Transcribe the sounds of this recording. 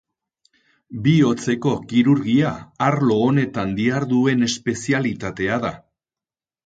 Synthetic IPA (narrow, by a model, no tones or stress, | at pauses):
bio̞t͡se̞ko̞kiɾuɾɣiaaɾlo̞ːne̞t̪and̪iaɾðue̞ne̞spe̞sialit̪at̪e̞aða